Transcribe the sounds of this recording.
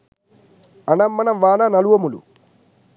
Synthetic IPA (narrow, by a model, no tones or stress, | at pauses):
ɐnɐmːɐnɐmʋaːnɐnɐluʋɐmulṵ